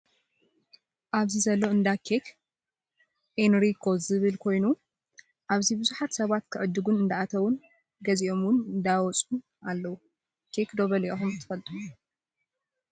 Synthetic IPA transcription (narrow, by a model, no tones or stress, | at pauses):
ʔaβzizɐlːo̞ɨnd̪akʰekʰ | ʔenɾikʰo̞zɨβɨlkʰo̞jnu | ʔaβzibɨzuħat̪sɐβat̪kʰɨʕɨd̪ːɨɡunɨnd̪aat̪ʰɐwun | ɡɐziʔo̞mwʊnɨnd̪awɔt͡sʼun | ʔalːɐwu | kʰekd̪o̞βɐliʔɐxumt̪ʰɨ̥fɐlt̪ʼɨmu